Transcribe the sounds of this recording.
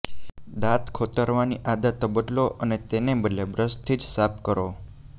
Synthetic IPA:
d̪at̪kʰot̪əɾʋaniʔad̪at̪əbət̪loʔənet̪enebəd̪lebɾəst̪ʰid͡ʒsap̚kəɾo

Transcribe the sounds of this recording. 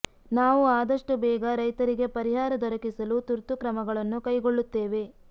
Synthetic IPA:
naːʋuaːd̪ɐʂʈubɛːɡɐɾɐjt̪ɐɾiɡe̞pɐɾiɦaːɾɐd̪ɔɾɐkisɐlut̪uɾt̪ukɾɐmɐɡɐɭɐnːukɐjɡoɭːut̪ːeːʋe̞

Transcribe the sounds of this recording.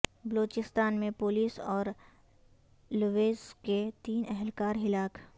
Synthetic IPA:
bloːt͡ʃɪst̪aːnmẽpoːliːsɔːɾ | luʋeːzket̪iːnɛɦlkaːɾɦɪlaːk

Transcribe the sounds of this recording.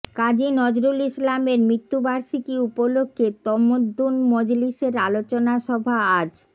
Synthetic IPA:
kad͡ʑinɔd͡ʑɾulislameɾmɾit̪ːubaɾʃikiupolokʰːet̪ɔmod̪ʱːunmɔd͡ʑliʃeɾalot͡ɕonaʃɔbʱaad͡ʑ

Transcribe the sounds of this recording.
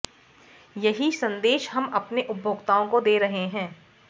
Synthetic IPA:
jɐɦisɐ̃nd̪eːʃɦɐmɐpneʔʊbʱoːɡt̪aːõkod̪eːɾɐɦeɦɛ̃ː

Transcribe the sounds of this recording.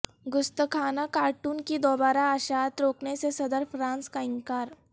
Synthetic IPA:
ɡʊst̪əkʰanakaʈuːnkiːd̪obaɾaəɕat̪ɾoknesesəd̪əɾfɾãnskaiŋkaɾ

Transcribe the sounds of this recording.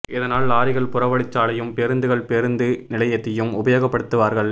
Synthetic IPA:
ʔɪðɐnaːlːaːɾɪɣɐɭpʊrɐʋɐɽɪt͡ʃːaːlɐjɯmpɛɾɯnd̪ɯɣɐɭpɛɾɯnd̪ɯnɪlɐjɐt̪ːɪjɯmʊbɐjoːɣɐpːɐɽɯt̪ːɯʋaːɾɣɐɭ

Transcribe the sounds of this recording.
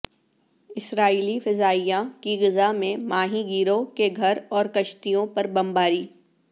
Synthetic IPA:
ɪsɾaːiːlifɪzaːijãkiɣɪzamẽmaːɦĩɡiːɾokeɡʱɐɾɔːɾkɐʃt̪ijõpɐɾbɐmbaːɾiː

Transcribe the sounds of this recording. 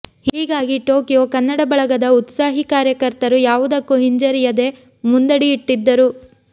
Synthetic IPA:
hiːɡaːɡiʈo̞ːkijokɐnːɐɽɐbɐɭɐɡɐd̪ɐut̪saːɦikaːɾjɐkɐɾt̪ɐɾujaːʋud̪ɐkːuɦiɲd͡ʒɐɾijɐd̪e̞ | mund̪ɐɽiːʈːid̪ːɐɾu

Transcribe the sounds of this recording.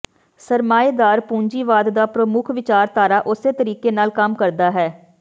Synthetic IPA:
səɾmaːed̪aːɾpũːɲd͡ʒiːʋaːd̪d̪aːpɾəmʊkʰʋɪt͡ʃaːɾt̪aːɾaːʔʊseːt̪əɾiːkeːnaːlkəmkəɾd̪aːɦɛː

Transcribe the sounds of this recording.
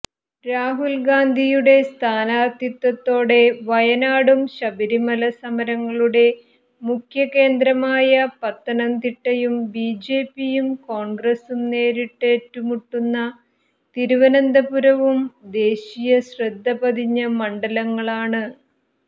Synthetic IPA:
ɾaːɦulɡaːnd̪ʱijuɽe̞st̪ʰaːnaːrt̪jɐt̪ːwɐt̪ːo̞ːɽe̞ʋɐjɐnaːɽumɕɐbiɾimɐlɐsɐmɐɾɐŋːɐɭuɽe̞ | mukʰjɐke̞ːnd̪ɾɐmaːjɐpɐt̪ːɐnɐnt̪iʈːɐjumbiːd͡ʑe̞ːpːijumko̞ːɳɡrɐsumne̞ːɾiʈːetːumuʈːunːɐ | t̪iɾuʋɐnɐnd̪ɐpuɾɐʋumd̪e̞ːɕijɐɕrɐd̪ʱːɐbɐd̪iɲːɐmɐɳɖɐlɐŋːɐɭaːɳɨ

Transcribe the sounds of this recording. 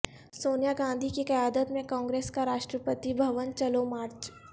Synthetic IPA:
soːnjaɡãːnd̪ʱikikɐjaːd̪ət̪mẽkɔ̃ːŋɡɾeːskaɾaːʃʈɾəpət̪ibʱɐʋənt͡ʃɐlomaːɾt͡ʃ

